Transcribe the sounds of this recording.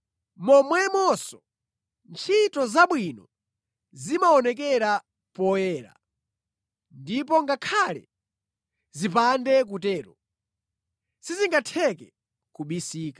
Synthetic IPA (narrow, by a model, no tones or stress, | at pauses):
mɔmwɛmɔsɔ̥ | nt͡ʃʰitɔzaɓwinɔ | zimaɔnɛkɛɾa | pɔjɛːɾa̰ | ndip̬ɔŋɡakʰalɛ̰ | zipandɛk̬utɛːɾɔ | siziŋɡatʰɛkɛ | kuɓisiːkḁ